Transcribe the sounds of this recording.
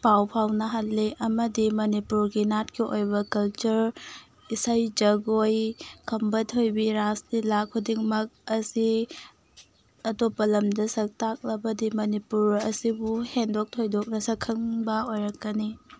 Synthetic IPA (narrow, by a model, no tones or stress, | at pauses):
pawpʰawnɐɦɐtːiʔɐmɐdimɐnipuɾɡinat̚kiʔojbɐkɐlt͡ʃuɾ | isajd͡ʒɐɡojkʰɐmbɐtʰojbiɾastilak̚ʰːudiŋmɐk̚ɐsi | ɐtopːɐlɐmdɐsɐk̚tak̚lɐbɐdimɐnipuɾɐsibuhendok̚tʰojdok̚nɐsɐkʰːɐŋbɐojɾɐkːɐni